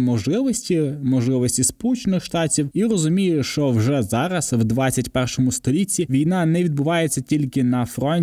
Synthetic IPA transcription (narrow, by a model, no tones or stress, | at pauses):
mɔʒlˠɪʋɔsʲtʲimɔʒlˠɪʋɔsʲtʲispɔlˠut͡ʃenɪxʃt̪ɑtʲiwirɔzʊmʲijʊʃt͡ʃɔwʒɛzɑɾɐsʋd̪ʋɑt͡sʲːɐtʲpɛrʃɔmʊst̪ɔlʲit͡sʲːiʋʲijnɑnɛʋʲid̪̚bʊʋɑjet͡sʲːɐtʲilʲkɪnɐfɾɔnʲ